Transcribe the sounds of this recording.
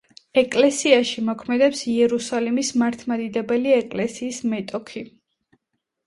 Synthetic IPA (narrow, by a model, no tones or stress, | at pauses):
ɛkʼlɛsiaʃimɔkʰmɛd̪ɛpsiɛɾusalimismaɾt̪ʰmad̪id̪ɛbɛliɛkʼlɛsiːsmɛt̪ʼɔkʰi